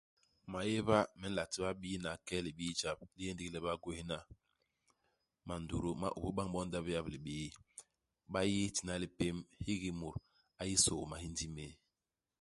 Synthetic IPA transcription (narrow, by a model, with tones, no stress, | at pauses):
ma˨je˦βa˦mɛ˨˦n̩˦la˨ti˦ba˦ɓi˦na˨kɛ˦li˨ɓi˦t͡ʃa˨b̚li˦je˦ndi˦klɛ˦ba˦ɡo˦hi˦na˦ | ma˨ndu˨ɾu˦ma̰˦ʔṵ˨bu˦ɓa˦ŋɓɔ˦n˦da˦bja˦bli˨ɓi˦ji˦ | ɓa˦ji˦ti˨na˦li˦pe˦mhi˦ɡi˦mu˨ɾ | a˨ji˦so˨ma˨hi˦ndi˦me˦